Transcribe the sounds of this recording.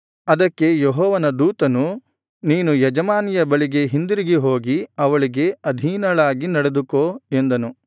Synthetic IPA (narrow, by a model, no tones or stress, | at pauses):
ɐd̪ɐkːe̞jeɦɔːʋɐnɐd̪uːt̪ɐnu | niːnujɐd͡ʒɐmaːnijɐbɐɭiɡe̞ɦind̪uɾiɡiɦo̞ːɡiɐʋɐɭiɡe̞ɐd̪ʱiːnɐɭaːɡinɐɽed̪ukoːe̞nd̪ɐnu